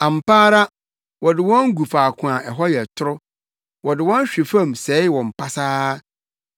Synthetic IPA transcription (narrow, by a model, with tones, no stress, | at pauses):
ã˨m̩˨paː˦ɾa˦ | wɔ˨dɪ˨wɔ̃˦ŋ˦ɡu˨faː˨kʰʊ̃˨a˨ʔɛ˨ɦɔ˦jɛ˨tʰʊ˦ɾʊ˦ | wɔ˨dɪ˨wɔ̃˦n˦ɕᶣi˨fã˦˨msɛː˨˦wɔ̃˨m̩˨pʰa˦saː˦